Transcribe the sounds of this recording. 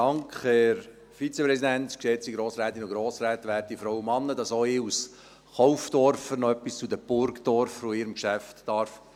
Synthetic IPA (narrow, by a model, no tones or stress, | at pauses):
ɑŋkχhɛɾ | fit͡sepɾɛsidænt̪ksɛt͡siɡɾoːsɾæːt̪inʊɡɾoːsɾɛːt̪ʋæːt̚ifɾɔwəmɑnːəd̥ɑsɔɪus | χɔʊfdɔɾfəɾnɔœpːist͡sudəb̥ʊɾkdɔɾfɾoɪɾəmkʃæftːɑɾf